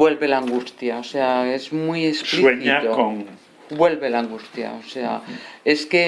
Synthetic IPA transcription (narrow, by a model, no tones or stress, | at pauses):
bwe̞lβe̞laŋɡust̪jaoseaezmuijespsliweɲiat̪okoŋ | bwe̞lβe̞laŋɡust̪ja̰osea̰e̞ske